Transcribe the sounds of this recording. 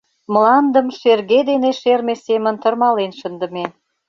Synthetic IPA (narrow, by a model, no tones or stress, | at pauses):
məlɑnd̪əmʃerɣed̪eneʃermesemə̆nt̪ərmɑlenʃənd̪ə̆me